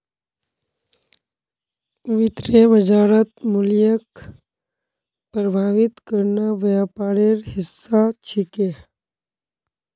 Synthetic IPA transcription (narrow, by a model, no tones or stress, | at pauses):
ʋɪt̪ɾeʋəd͡ʒaːɾət̪mʊljək | pɾəbʱaːʋɪt̪kəɾnaʋjapaːɽeɾɦɪsːat͡ʃʰɪke